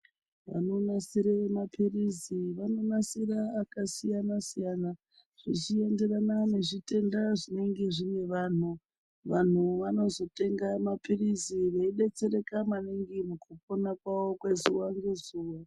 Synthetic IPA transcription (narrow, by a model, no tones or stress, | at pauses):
ʋa̰no̞nasiɾemapʰiriziʋano̞nasiɾaːkasijanasijana | ʐ̥it͡ʃie̞nde̞ɾananeʐite̞ndaʐine̞ŋɡe̞ʐine̞ʋaːn̤u | ʋan̤uʋano̞zo̞te̞ŋɡamapiriziʋeiɗe̞t͡se̞ɾe̞kamaneŋɡimukuponakwawo̞kwe̞zuwaŋɡezuːwa